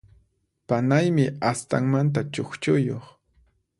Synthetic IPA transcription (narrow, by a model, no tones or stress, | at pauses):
panajmɪast̪aŋmant̪̬at͡ʃoχt͡ʃʊjoχ